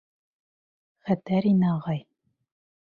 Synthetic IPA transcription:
χæt̪æɾinɘɑʁɑj

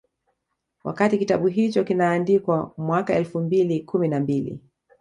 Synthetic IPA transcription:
wa̰katikitaɓuɦit͡ʃɔkinaːndikwamwakaɛlfumbilikuminambilḭ

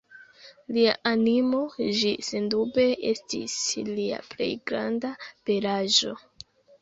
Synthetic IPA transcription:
lia̰ʔanimo̞d͡ʒisendube̞ʔe̞̰stḭslia̰ple̞̰jɡɾa̰ndape̞laʒo̞

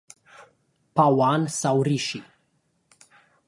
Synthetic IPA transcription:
pawansawriʃi

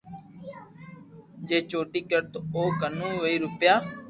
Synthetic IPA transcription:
d͡ʒeːt͡ʃoːʈiːkəɾt̪oːkənũːɦoːiːɾʊpjaː

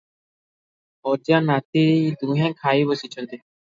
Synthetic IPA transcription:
ɔd͡ʒãnat̪id̪ũɦɛ̃kʰaibɔsit͡ʃʰɔnt̪i

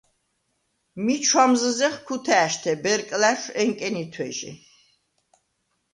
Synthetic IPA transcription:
mit͡ʃʰwamzəzɛχkʰut̪ʰɛːʃt̪ʰɛbɛɾkʼlæʃɛŋkʼɛnit̪ʰwɛʒḭ

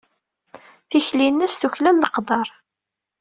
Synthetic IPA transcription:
θiçlinːæsθuçlænləqd̪ˤɑɾˤ

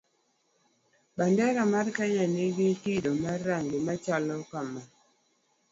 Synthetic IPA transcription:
bandɛɾamarkaɲaniɡikidomarːaŋɡimat͡ʃalɔkama

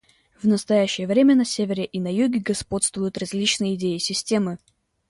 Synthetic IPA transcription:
vnəst̪ɐjæɕːɪjəvɾʲemʲənɐsʲevʲɪɾʲɪʔɪnɐjuɡʲɪɡɐspo̞t̪st̪vʊjʊt̪rɐzʲlʲit͡ɕnɨjəɪdʲejɪsʲɪsʲtʲe̞mɨ

